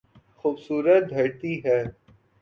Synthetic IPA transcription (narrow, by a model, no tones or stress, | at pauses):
xuːbsuːɾət̪̚d̪ʱɐɾt̪iɦɛː